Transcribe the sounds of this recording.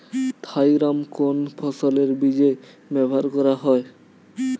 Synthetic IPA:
t̪ʰajɾamkonpʰɔsoleɾbid͡ʑe | bɛbʱaɾkɔɾaɦɔe

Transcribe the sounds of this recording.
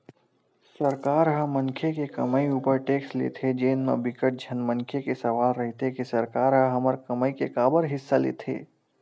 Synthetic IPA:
sɐɾkaːɾɦɐmɐ̃ŋkʰekekɐməiuːpəɾʈeːkslḛːt̪ʰed͡ʒeːnmḛ̃bɪkəʈ̚d͡ʒʱɐnmɐ̃ŋkʰekesɐʋaːlɾɐɦt̪ʰekisɐɾkaːɾɦəɦɐməɾkɐməikekaːbəɾɦɪsːalḛːt̪ʰḛː

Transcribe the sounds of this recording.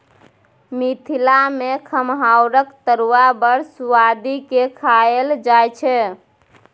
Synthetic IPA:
mit̪ʰilamekʰəmɦawɾəkt̪əɾuwabəɾsuwad̪ikekʰaeld͡ʒajt͡ʃʰɛ

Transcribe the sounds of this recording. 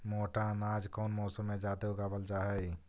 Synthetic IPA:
moʈanaːd͡ʒkɔːnmɔːsəmːẽd͡ʒat̪eɦuɡabəld͡ʒaɦɛj

